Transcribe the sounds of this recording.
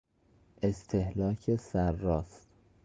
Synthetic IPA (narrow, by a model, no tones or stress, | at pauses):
ʔe̞st̪ʰe̞hlɒːcʰesæɾːɒːst̪